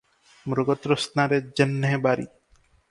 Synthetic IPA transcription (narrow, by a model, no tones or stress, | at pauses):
mɾoɡɔt̪ɾosnaɾed͡ʒenːebaɾḭ